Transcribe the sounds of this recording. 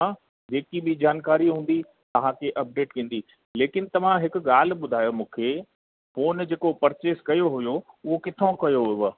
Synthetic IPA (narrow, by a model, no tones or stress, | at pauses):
ã | d͡ʑeːkibɪd͡ʑaːnkaːɾiɦũːn̆d̪i | t̪ɐʋ̤ãkʰeʔɐp̚ɖeːʈkĩːn̆d̪i | leːkɪnɪ̆t̪ɐʋ̤ãɦɪkʊ̆ɠaːl̤̆ɓʊd̪ʱaːjomũːkʰeː | foːnd͡ʑeːkopɐɾt͡ɕeːskɐjoɦʊjoʊɦokɪt̪ʰõkɐjoɦʊʋ